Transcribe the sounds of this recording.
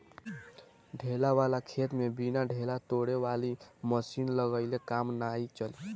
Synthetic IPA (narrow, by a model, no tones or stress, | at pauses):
ɖʱelawalakʰet̪mebinaɖʱelat̪oɽewaliməsinləɡəjlekamnajt͡ʃəli